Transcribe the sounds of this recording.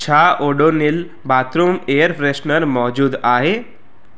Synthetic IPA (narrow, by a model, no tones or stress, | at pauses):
t͡ʃʰaːʔoːɖoːnɪl | baːt̪ɾumeːjəɾpɾeʃnəɾmɔːd͡ʒuːd̪aːɦeː